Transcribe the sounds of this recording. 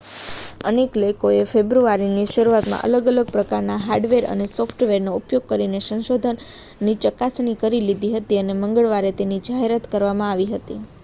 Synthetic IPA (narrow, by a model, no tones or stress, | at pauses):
ənekləjkoefebɾuaɾiniʃəɾuat̪mã̰ʔə̰ləɡələɡ̚pɾəkaɾnaɦaɾɖʋeɾə̰nesɔfʰʈʋeɾnoupjoɡ̚kəɾinesə̃nʃod̪ʱənː | it͡ʃəkasɳikəɾilid̪ʱiɦət̪iəneməŋɡəɭʋaɾet̪enid͡ʒaɦeɾat̪kəɾʋamãaʋiɦət̪i